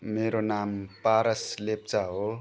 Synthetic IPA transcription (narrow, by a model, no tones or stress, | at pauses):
meɾonampaɾʌslep̚t͡saɦo